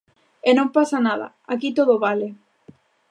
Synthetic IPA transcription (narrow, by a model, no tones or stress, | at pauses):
enõmpasanaða̰ | akit̪oð̞oβale